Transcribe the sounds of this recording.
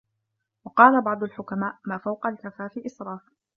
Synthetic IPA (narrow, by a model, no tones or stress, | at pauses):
wɑqɑːlabɑʕd̪ˤʊlħʊkamaːʔmaːfawqalkafaːfiʔɪsɾˤɑːf